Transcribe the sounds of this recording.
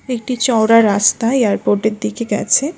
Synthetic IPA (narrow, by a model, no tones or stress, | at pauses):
ek̚ʈit͡ɕɔwɾaɾast̪aejaɾpoɾʈeɾd̪ikeɡɛ̰t͡ɕʰe